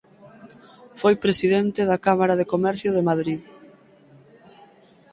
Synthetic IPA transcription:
fojpɾesiðent̪ɪðakamaɾaðekomɛɾθjʊðemaðɾið

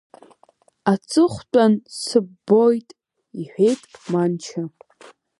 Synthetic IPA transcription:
at͡sʼɨχʷt͡pʼansɨbo̞jtʼ | iħʷᶣe̞jtʼmant͡ʃʰa

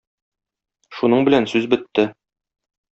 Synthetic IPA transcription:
ʃunɤɴbɘ̆lænsʉzbɘ̆t̪ːɘ

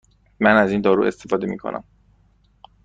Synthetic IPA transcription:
mænazind̪ɒɾṵest̪ifɒd̪emḭkʰo̞̰nʔa̰m

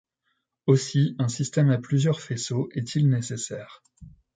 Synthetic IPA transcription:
osiɛ̃sist̪ɛmaplyzjœʁfesoʔɛt̪ʰilnesesɛːʁ

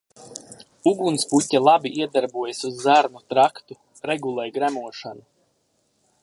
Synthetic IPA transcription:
uɡunsputʲːalˠabiʔiɛd̪aɾbuɔjasuzːaɾnut̪ɾakt̪u | ɾɛɡulˠɛjɡɾæmuɔʃanu

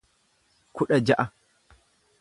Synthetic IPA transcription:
kʊɗɐd͡ʒaʔa

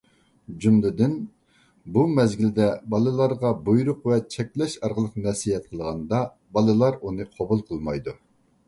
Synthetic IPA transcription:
d͡ʒumlɪd̪ɪn | bumɛzɡʲild̪ɛbɑlˠɨlˠɑɾʁɑbujɾʊqvɛt͡ʃʰɛk̚ʲlɛʃɑɾʁəlˠəqnɛsijɛt̪̚qʰəlˠʁɑnd̪ɑ | bɑlˠɨlˠɑɾunɨqʰɑbulˠqʰəlˠmɑjd̪u

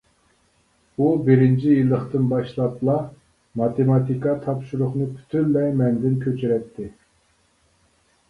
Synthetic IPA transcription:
ubɪɾɪnt͡ʃʰijilˠːəχt̪ɨnbɑʃlˠɑt̪lˠɑ | mɑt̪ʰemɑt̪ʰikɑt̪ʰɑpʃuɾʊχnɨpʰy̥t̪ʰynlɛmɛnd̪ɪnkʲʰøt͡ʃʰyɾɛt̪ʰːɪ

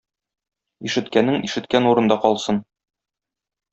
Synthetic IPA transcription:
iʃɘ̆t̪kænːɘŋiʃɘ̆t̪kænuɾɤ̆nd̪ɑqɒlˠsɤn

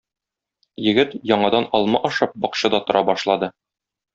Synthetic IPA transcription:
jɘ̆ɡɘt̪jɒɴɑd̪ɑnɒlˠmɑʔɒʃɤp̚bɒqɕɤd̪ɒt̪ŏɾʔɑbɒʃlˠɑd̪ɤ

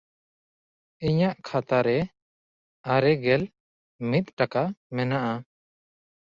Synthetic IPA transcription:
iɲaʔkʰat̪aɾɛ | aɾɛɡɛl | mit̪̚ˀʈakamɛnaʔa

